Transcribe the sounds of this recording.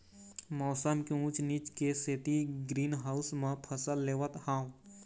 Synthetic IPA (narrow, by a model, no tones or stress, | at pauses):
mɔːsəmkeũt͡ʃnit͡ʃkeset̪iɡɾiːnɦaːʊsmãpʰəsəlːeːʋət̪hãː